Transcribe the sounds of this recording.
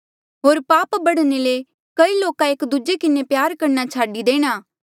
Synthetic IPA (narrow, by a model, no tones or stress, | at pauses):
ɦoːɾpaːpbɐɽnele | kɐiloːkaeːkd̪ud͡ʒekɪnepjaːɾkɐɾnat͡ʃʰaːɖid̪eːɽ̃aː